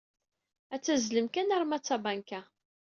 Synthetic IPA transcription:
æt͡sːæzləmkænəɾˤmæt͡sːabankæ

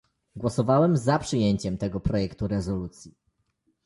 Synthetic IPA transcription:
ɡwɔsɔvawɛmzapʂɘjeɲt͡ɕɛmt̪ɛɡɔpɾɔjɛkt̪uɾɛzɔlut̪sʲji

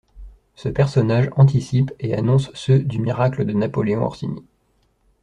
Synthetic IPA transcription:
səpɛʁsɔnaʒɑ̃t̪̬isipeanɔ̃sːød̪ymiʁakləd̪ənapɔleɔ̃ɔ̰ʁsinḭ

